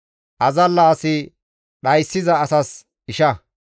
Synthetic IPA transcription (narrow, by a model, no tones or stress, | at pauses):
ʔɐzɐlːaːsɪ | ɗɐjsːɪzɐːsɐs | ɪʃɐ